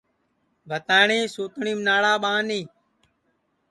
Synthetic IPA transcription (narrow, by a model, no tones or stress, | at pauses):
bʱət̪aːɳiːsuːt̪ɳiːmnaːɽaːɓãːnĩː